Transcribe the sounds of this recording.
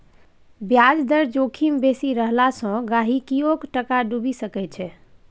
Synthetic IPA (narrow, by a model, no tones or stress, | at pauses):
bjad͡ʒd̪əɾd͡ʒokʰimbesiɾəɦlasə̃ɡaɦikiokʈəkaɖubisəkɛt͡ʃʰɛ